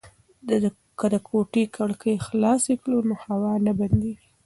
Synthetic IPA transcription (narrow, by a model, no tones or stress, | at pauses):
kəd̪əkʰoʈikʰaɽkʰəjxlɑseklonohawɑnaband̪ewi